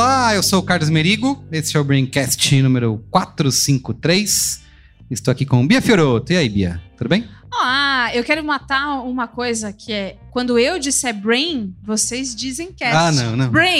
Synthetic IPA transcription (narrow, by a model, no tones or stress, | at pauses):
olaewsokaɾlʊzmeɾiɡʊesɪɛʊbɾẽj̃kɛst͡ʃɪnũmeɾʊkwat̪ɾʊsĩŋkʊt̪ɾejs | ɪst̪owakikõbiɐfioɾot̪ʊiaibḭɐ̰t̪ud̪ʊbẽj̃oaewkɛɾʊmat̪aũmɐkojzɐkʰɪɛkwɐ̃nd̪ʊewd͡ʒisɛbɾẽj̃vosezd͡ʒizẽj̃kɛanɐ̃w̃nɐ̃w̃bɾẽ